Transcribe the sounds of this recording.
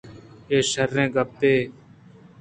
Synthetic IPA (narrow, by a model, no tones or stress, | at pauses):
eːʃəɾːẽːɡəb̚t̪eː